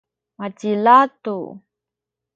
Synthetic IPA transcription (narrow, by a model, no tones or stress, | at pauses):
matilat̪u